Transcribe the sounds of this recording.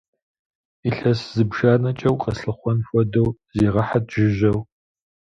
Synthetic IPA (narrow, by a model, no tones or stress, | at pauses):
iɬɐszɨbʒaːnɐt͡ʃʼɐwqʼɐsɨχʷɔnfʷɔdɐwzeːʁɐħadʒɪʒɐw